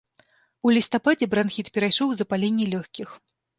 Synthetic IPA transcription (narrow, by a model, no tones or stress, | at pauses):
ulʲist̪apad͡zʲɛbɾanxʲit̪pʲɛɾajʂɔwzɐpalʲenʲːɛlʲɔxʲkʲix